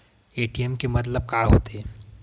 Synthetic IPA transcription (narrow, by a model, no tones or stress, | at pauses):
eːʈiɛmkemɐt̪ləb̚kaːɦo̰ːt̪eɦɛː